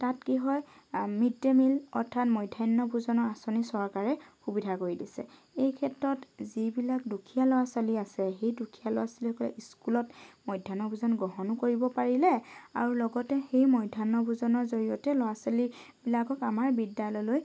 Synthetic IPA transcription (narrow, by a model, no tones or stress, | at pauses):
tatkiɦɔj | mitːemilɔ̰ɹtʰatmɔjdʱajnːɔbuzɔnɔɹasonisɔɹkaɹɛxubidʱakoɹidisɛ̰ | ejkʰɛtɹɔtzibilakdukʰijalɔwasaliasɛxejdukʰijalɔ̰wasɔlixɔkɔlɛ̰ʔiskulɔtmɔjdʱːanɔbuzɔnɡɹɔɦɔnkoɹibɔpaɹilɛa̰ɹulɔɡɔtɛxejmɔjdʱanːɔbuzɔnɔɹzoɹijɔtɛlɔwasalibilakɔkamaɹbidjalɔjloj